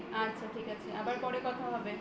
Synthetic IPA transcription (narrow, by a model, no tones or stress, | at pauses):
atːɕʰaʈʰikat͡ɕʰeabaɾpɔɽekɔt̪ʰaɦɔbe